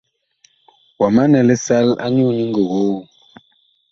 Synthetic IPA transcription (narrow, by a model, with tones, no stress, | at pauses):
wa˨ma˦nɛ˨lɛ˦sa˦la̰˦ɲu˦˨ni˦ŋɡə˨ɣo˦˨